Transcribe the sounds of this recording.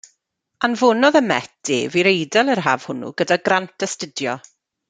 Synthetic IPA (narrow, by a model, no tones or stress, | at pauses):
anvʊnɔðəmɛtd̥ɪ̰viɾejdɛlˠərɦaːv̥hʊnṵɡədaɡrantʰəstədjɔ